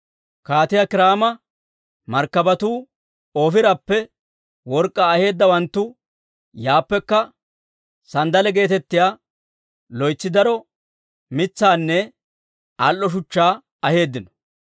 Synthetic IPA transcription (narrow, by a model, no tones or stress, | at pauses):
kaːt̪ɪjakɪɾaːmɐ | mɐɾkːɐbɐt̪uː | oːfɪɾɐpːɛ | wɔɾkʼːaːhe̞ːd̪ːɐwɐnt̪ːʊ | jaːpːɛkːɐ | sɐnd̪ɐlɛɡe̞ːt̪ɛt̪ːɪjaː | lɔjt͡sːɪd̪ɐɾɔ | mɪt͡sːaːnːɛ | ɐlʔːɔʃ̬ʊt͡ʃːaː | ɐhe̞ːd̪ːɪnɔ̥